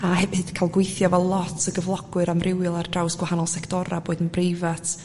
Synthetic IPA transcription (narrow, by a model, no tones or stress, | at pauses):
ahɛvɨd̥kʰajlˠɡwejθjɔvɛlˠlˠɔtʰəɡəvlˠɔɡwɨɾamrʔɪwɪlˠardrawsɡ̥wahanɔlˠsɛktʰɔɾaboːɨdənbrejvatʰ